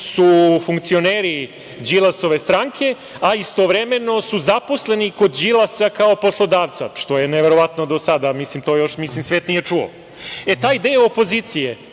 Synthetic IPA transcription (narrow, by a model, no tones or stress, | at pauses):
sufuŋkt̪sio̞neːɾi | d͡ʑilˠaso̞ʋe̞st̪ɾaŋkʰe̞ | aist̪oʋɾeme̞no̞suzapo̞sle̞niko̞d̪d͡ʒilˠasakao̞po̞slˠo̞d̪aːʋt̪sa̰ʂt̪o̞je̞neʋeɾo̞ʋat̪nod̪o̞sad̪amislimt̪o̞ːjo̞ʃmislimsʋeːt̪nijet͡ʂuo̰ | e̞t̪aːid̪ejopo̞ziːt̪sije